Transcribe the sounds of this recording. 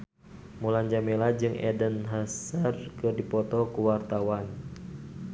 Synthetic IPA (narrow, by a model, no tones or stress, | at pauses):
muland͡ʒamelad͡ʒɨŋʔɛ̰dənɦasərkɨrdipɔt̪ɔkuwart̪awan